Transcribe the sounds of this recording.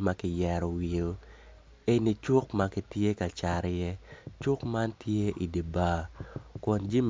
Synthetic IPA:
ma˨kɪ˨jɛ˨ɾɔ˨wi˨o˨ | e˦ni˦t͡ʃʊ˦kma˦kɪ˦tje˦ka˨t͡ʃa˨ɾjɛ˦t͡ʃʊ˦kma˦ntje˦ʔi˨di˨baː˦kɔ˨nd͡ʒi˦m

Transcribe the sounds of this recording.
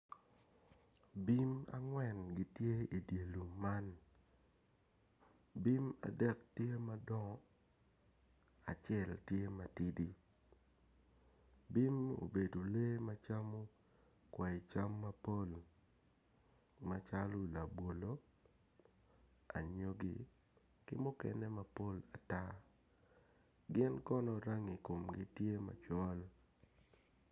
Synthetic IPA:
bi˦ma̰˨ŋwɛ˨nɡi˨tje˦i˨dje˨lu˨mːa˦n | bi˦ma̰˨dɛ˦k̚tje˦ma˦dɔ˦ŋɔ˦ | a˨t͡ʃɛ˦˨ltje˦ma˨ti˦di˦ | bi˦mo̰˨be˨do˨le˦ma˦t͡ʃa˦mo˦ | kwɛ˨ɪ˨t͡ʃa˦mːa˦po˦l | ma˦t͡ʃa˦lʊ˦la˨bwo˨lo˦ | a̰˨ɲo˦ɡḭ˨ | kɪ˦mʊ˦kɛ̰˦nɛ˦ma˦po˦la˨ta˦ | ɡɪ˦nkɔ˦nɔ˦ɾa˦ŋi˨ko˨mɡɪ˦tje˦ma̰˨t͡ʃɔ˦l

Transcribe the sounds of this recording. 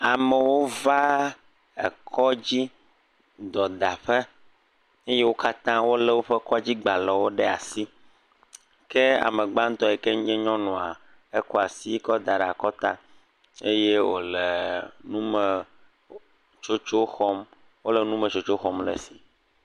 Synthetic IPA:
a˨mɛ˨wo˦va˦ | ɛ̰˨kʰɔ˦d͡ʑi˦ | d̪ɔ˨d̪a˨ɸe˦ | e˦je˦wo˦ka˦t̪ã˦wo˦lɛ˦wo˦ɸɛ˦kɔ˦d͡ʑi˦ɡ͡ba˨lɛ˨wo˦ɖɛ˦a˨si˦ | ke˦a̰˨me˨ɡ͡ba˦ŋ̩˦t̪ɔ˦ɛ˨ke˦ŋ˦ɲɛ̃˦ɲɔ̃˦nɔ̃˨a˨ | e˦kɔ˦a˨si˦kɔ˦d̪a˨ɖe˨a˨kɔ˦t̪a̰˦ | e˦je˦wo̰˨le˨nũ˦mɛ˨ | t͡ʃo˦t͡ʃo˦xɔ˦m | wo˦lɛ˨nũ˦mɛ̃˨t͡ʃo˨t͡ʃo˦xɔ˨mlɛ̰˨si˨

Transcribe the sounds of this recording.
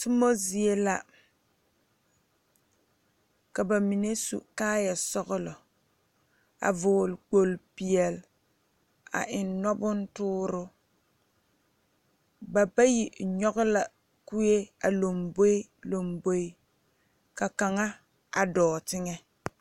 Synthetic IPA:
ti˦mo˦zi˨e˦la˨ | ka˨ba˨mi˨ne˦sṵ˨kaː˦ja˨sɔ˦ɡʊ˦lʊ˨ | a̰˨vʊ˨lk͡po˨lpi˨ɛ˨l | a̰˨ʔɪ˨nnɔ˦bʊ˦n̩˦tʊː˦ɾʊ˦ | ba˨ba˦ji˨ɲɔ˦ɡʊ˦la˨ | ku˦je˦a˨lo˨mbo˦lo˨mbo˦i˦ | ka˨ka˨ŋa˦ | a˨dɔː˨tɪ˦ŋɛ˦

